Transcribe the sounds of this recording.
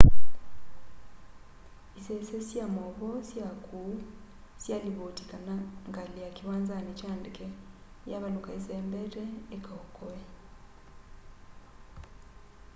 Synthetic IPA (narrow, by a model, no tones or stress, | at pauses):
isesesjamoβɔsjakusjaliβotikanaŋɡaliakiβaːnzanit͡ʃaːndike | jaβalukaezeːmbeɾeːkaokoe